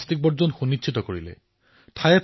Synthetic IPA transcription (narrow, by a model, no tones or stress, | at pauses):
stik̚bɔzɔnxunitɕʰitɔkoɹilɛ̰ | tʰajɛt